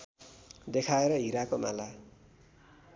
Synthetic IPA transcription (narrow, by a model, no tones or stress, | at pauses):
d̪ekʰaeɾʌɦiɾakoma̰la